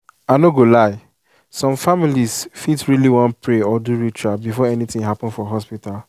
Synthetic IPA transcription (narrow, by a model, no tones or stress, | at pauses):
anoɡolaɪ | sɔ̃mfamilisfitɹiliwɔ̃ntpʰɹeɔduɹitʰɹabifɔɛnitĩŋɦapɔ̃nfɔɦɔspital